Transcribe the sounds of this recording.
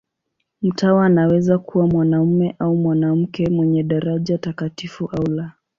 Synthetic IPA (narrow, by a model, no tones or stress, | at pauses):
m̩tawaːnawɛzakuwamwanam̩mɛʔaumwanam̩kɛmwɛɲɛɗaɾaʄatakatifuʔaula